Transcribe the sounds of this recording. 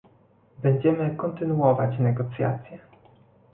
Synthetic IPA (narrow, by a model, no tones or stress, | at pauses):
bɛɲd͡ʑɛmɘkɔnt̪ɘnuɔvat͡ɕnɛɡɔt̪sʲja̰t̪sʲjɛ